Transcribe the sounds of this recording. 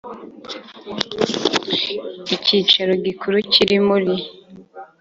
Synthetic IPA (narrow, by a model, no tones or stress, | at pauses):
iciːt͡ʃaɾo̞ɡikʰuɾuciɾimuɾi